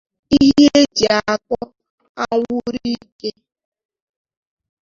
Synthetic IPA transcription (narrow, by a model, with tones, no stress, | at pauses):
i˦ɦe˦d͡ʒi˨a˨kɔ˦ | a˦ŋʷu˦ɾi˦ke˦